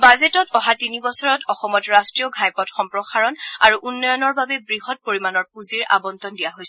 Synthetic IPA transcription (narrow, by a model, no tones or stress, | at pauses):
bazetɔtɔɦatinibɔsɔɹɔtɔxɔmɔtɹastɹijɔɡʱajpɔtxɔmpɹɔxaɹɔnaɹuʔunːɔjɔnɔɹbabɛbɹiɦɔt̚poɹimanɔɹpuziɹʔa̰bɔntɔndijaɦojsɛ